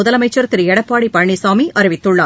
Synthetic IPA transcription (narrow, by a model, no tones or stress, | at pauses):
ʊðɐlɐmɐɪt͡ʃːɐɾt̪ːɪɾɛɽɐpːaːɽipɐɳːisaːmiʔɐɾɪʋɪt̪ːɯɭːaː